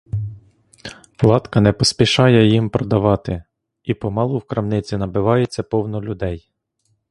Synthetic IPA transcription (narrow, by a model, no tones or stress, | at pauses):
lˠɑt̪kɐnɛpɔspʲiʃɑjɛjimpɾɔd̪ɐʋɑt̪ɪ | ipɔmɑlˠʊwkɾɐmnɪt͡sʲinɐbɪʋɑjet͡sʲːɐpɔwnɔlʲʊd̪ɛj